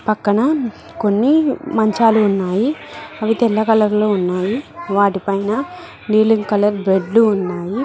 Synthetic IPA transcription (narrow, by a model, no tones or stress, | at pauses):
pɐkːɐɳɐ | ko̞nːimɐɲt͡ʃaːluːnːaːjiɐʋit̪ɛlːɐkɐlɐɾloːunːaːjiʋaːʈipɐjnɐ | niːliŋɡkɐlɐɾbɾe̞ɖluːnːaːji